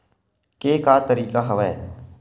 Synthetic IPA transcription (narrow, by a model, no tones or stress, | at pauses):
keːkaːt̪əɾiːkaɦɐʋɛe